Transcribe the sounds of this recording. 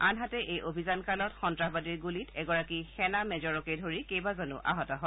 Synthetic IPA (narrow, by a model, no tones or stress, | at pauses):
anɦatɛʔejʔobʱizankalɔtxɔntɹaɦbadiɹɡulitɛɡɔɹakixɛnamɛzɔɹɔkejdʱoɹikejbazɔnʊ̰ʔʔa̰ɦɔtɔɦɔ